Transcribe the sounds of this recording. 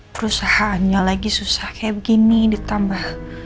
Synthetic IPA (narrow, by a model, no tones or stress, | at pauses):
pəɾusahaʔanɲalaɡisusahkajaʔbəɡinidit̪ambah